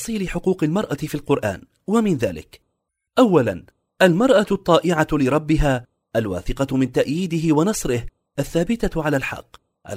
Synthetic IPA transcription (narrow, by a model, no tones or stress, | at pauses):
sˤiːlɪħʊquːqalmɑɾˤʔafiːlqʊɾˤʔa̰ːn | wamɪnða̰ːlɪ̰k | ʔawːala̰n | ʔalmɑɾˤʔat̪ˤːɑːʔɪʕalɪɾˤɑbːɪɦaː | ʔalwa̰ːθɪqɑmɪnt̪aʔjiːd̪ɪɦɪwanɑsˤɾɪh | ʔaθːaːbɪt̪aʕalaːlħɑ̰qː | a̰